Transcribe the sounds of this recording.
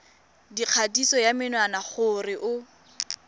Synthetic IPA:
diq͡χʰadisɔjamɪnwanaχʊrɪʔʊ

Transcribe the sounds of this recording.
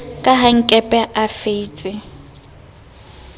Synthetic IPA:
kʼaɦaŋ̩kʼɛpʼɛʔafet͡sʼɪ

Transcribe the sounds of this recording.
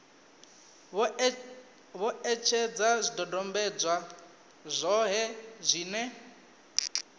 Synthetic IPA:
βɔɛt͡ʃʰɛd͡zazʷidɔdɔmbɛd͡zwa | zʷɔɦɛzʷiːnɛ

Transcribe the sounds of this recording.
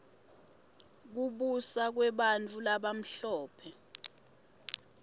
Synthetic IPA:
k̬uɓusak̬wɛɓant͡fʰʼulaɓam̩ɬɔːpʰɛ

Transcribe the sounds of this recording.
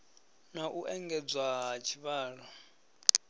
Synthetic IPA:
naʔuʔɛŋɡɛd͡zwaɦat͡ʃʰiβaːɺɔ

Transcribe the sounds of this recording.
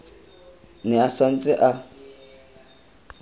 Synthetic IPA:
nɛasan̩t͡sʼɪʔa

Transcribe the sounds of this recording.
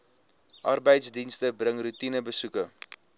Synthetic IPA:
ʔɐrbəjtsdinstəbrəŋrutinəbəsukə

